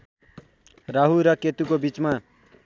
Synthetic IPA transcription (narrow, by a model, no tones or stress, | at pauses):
raɦuɾʌket̪ukobit͡sma